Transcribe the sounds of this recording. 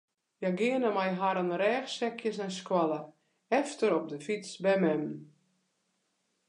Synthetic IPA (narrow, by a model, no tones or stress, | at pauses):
jaɡɪənəmajɦaɾənrɛːxsɛkʰjəsɛnskwalə | ɛftəɾɔp̚dəfit͡sbɛmɛm